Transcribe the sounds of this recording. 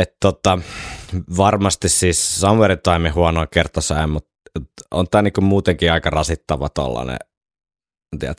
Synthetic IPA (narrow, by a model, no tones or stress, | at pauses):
et̪t̪ot̪ɑ | ʋɑrmɑst̪issiːssɑmʋerint̪ɑimihuɑnoːkert̪osɑˑemmut̪t̪o̰nt̪æːnikummuːt̪eŋkiːɑikɑrɑsit̪ːɑʋɑ̰t̪o̰lːɑ̰nḛ | nt̪ḭæt̪